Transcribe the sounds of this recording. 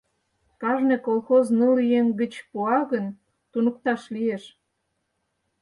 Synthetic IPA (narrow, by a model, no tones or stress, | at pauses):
kɑʒnekolxoznəlijeŋɡə̆t͡ɕpuɑɣən | t̪unək̚t̪ɑʃlieʃ